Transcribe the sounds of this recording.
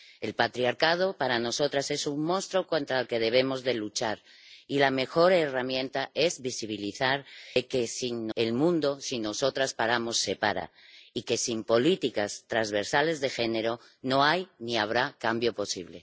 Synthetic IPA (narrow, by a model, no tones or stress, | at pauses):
e̞lpat̪ɾiaɾkað̞o̞paɾano̞so̞t̪ɾase̞suŋmõ̞nst̪ɾo̞kont̪ɾaːlke̞ð̞e̞β̞e̞mo̞zðe̞lut͡ʃaɾ | ilame̞xo̞ɾeramjẽ̞nt̪ae̞zβisiβ̞iliθaɾeke̞sinːelmũnd̪o̞sino̞so̞t̪ɾaspaɾamo̞sːe̞paɾa̰ike̞simpo̞lit̪ikast̪ɾazβe̞ɾsale̞zðe̞xe̞ne̞ɾo̞ | no̞ajniaβ̞ɾakambjo̞po̞siβle̞̰